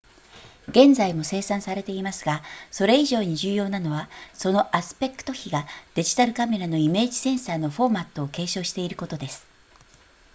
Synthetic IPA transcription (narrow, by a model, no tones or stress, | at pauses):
ɡẽ̞nd͡zaimo̞se̞ːsãɰ̃saɾe̞t̪e̞imasɨɡaso̞ɾe̞iʑo̞ːɲ̟iʑɨːjo̞ːnano̞βaso̞no̞ʔasɨ̥pe̞kɯ̥t̪o̞çiɡad̪̥e̞ʑi̥t̪aɾɯ̟kame̞ɾano̞ime̞ːʑi̥sẽ̞ɰ̃saːno̞ɸo̞ːmat̪ːo̞ːke̞ːɕo̞ːɕi̥t̪e̞iɾɯ̟ko̞t̪o̞d̪e̞sɨ̥